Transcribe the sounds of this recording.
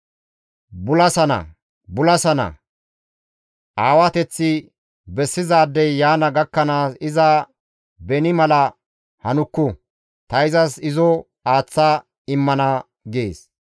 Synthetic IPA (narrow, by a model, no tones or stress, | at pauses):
bʊlɐsɐnɐ̰ | bʊlɐsɐnɐ̰ | ʔaːwɐt̪ɛt͡sːɪ | bɛsːɪzaːd̪ːɛjːaːnɐɡɐkːɐnaːsɪzɐ | bɛnɪmɐlɐ | hɐnʊkːʊ | t̪ɐɪzɐsɪzɔ | aːt͡sːa | ɪmːɐnɐ | ɡḛːs